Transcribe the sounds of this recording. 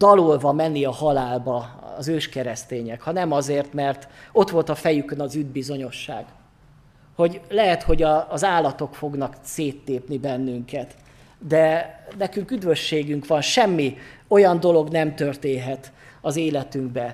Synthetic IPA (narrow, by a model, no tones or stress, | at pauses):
d̪̥ɒlolvɒmɛnːiɒhɒlaːlbɒɒ̰zøːʃkɛɾɛst̪eːɲɛkhɒnɛmɒzeːrt̪mɛrt̪o̞t̪ʋo̞lt̪ɒfɛjykønɒzyd̪̚bizo̞ɲo̞ʃːa̰ːɡ̥ | ho̞ɟlɛɦɛt̪ho̞ɟɒːzaːlːɒt̪o̞kfo̞ɡnɒkseːt̪leːpnibɛnːyŋkɛt̪ | d̪ɛnɛkyŋkyd̪vʋøʃːeːɡyŋkʋɒnʃɛmːio̞jɒnd̪o̞lo̞ɡnɛmt̪ørt̪eːnɦɛt̪ | ɒzeːlɛt̪yŋɡbɛ